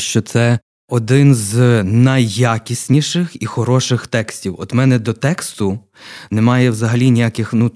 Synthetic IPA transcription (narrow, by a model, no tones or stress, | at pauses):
ʃt͡ʃɔt̪sɛ | ɔd̪ɪnznɐjːakʲisʲnʲiʃɪxixɔɾɔʃɪxt̪ɛksʲtʲiwɔd̪mɛnɛd̪ɔt̪ɛkst̪ʊ | nɛmɑjɛwzɐɦɐlʲinʲijakɪxnu